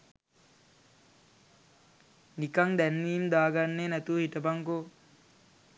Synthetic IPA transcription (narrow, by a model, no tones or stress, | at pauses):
nikaŋd̪ænʋiːmd̪aːɡanːeːnæt̪uhiʈəbaŋko